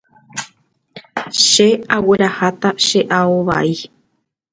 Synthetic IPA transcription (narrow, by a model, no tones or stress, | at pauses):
ʃe̞awe̞ɾahat̪aʃe̞ʔaoʋa̰i